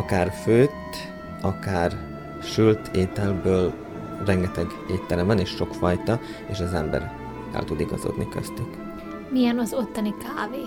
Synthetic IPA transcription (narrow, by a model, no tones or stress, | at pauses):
ɒkaːrføːt̪ː | ɒkaːr | ʃylt̪ʰeːt̪ɛlbøːl | rɛŋɡɛt̪ɛɡ | eːt̪ːɛlɛmvɒneːʃːo̞kfɒjt̪ɒ | eːʃɒzɛmbɛ̰ɾ | kɛ̰lt̪ud̪iɡɒ̰zo̰d̪nikø̰st̪yk | mijɛnɒzo̞t̪ːɒnikaːveː